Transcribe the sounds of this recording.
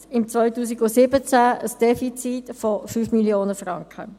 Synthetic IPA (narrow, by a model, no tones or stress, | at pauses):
ɪmt͡svœʏtuːs̬iɡʊsɪbət͡sæəsd̥ɛfit͡sitfɔfyːfmiljoːnəfrɑŋkʰə̰